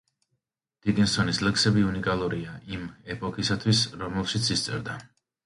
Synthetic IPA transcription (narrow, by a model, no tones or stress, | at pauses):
d̪̥it̪ʼinsɔnislɛksɛbiunikʼalˠuɾiaʔimɛpʼɔkʰisat̪ʰwisɾɔmɛlˠʃit̪sʰist̪sʼɛ̰ɾd̪a